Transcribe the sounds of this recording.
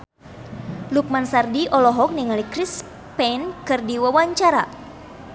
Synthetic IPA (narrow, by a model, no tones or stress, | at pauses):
luk̚mansardiʔɔlɔɦɔk̚niŋalikɾis | pɛnkɨrdiwawaɲt͡ʃaɾa̰